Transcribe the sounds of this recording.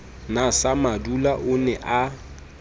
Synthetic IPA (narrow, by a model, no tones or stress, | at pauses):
nasamadulaʔʊnɛʔa